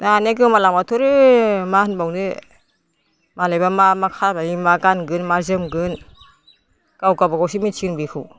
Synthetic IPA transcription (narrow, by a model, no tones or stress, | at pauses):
daneɡɯmalamatʰɔɾɯmahɯnbawndɯ | malajbamamakʰaɾbaŋimaɡanɡɯnmaɾzɯmɡɯn | ɡ̥awɡabaɡawsimit͡ʃʰinbikʰu